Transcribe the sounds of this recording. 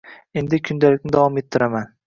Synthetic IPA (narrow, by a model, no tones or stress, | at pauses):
e̞nd̪ɪkʲʰʊnd̪alɪk̚ʲnɪd̪avɒme̞t̪ʰːɪɾaman